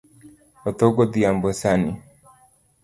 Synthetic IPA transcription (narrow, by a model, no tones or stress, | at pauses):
ɔt̪ɔɡɔd̪iambɔsani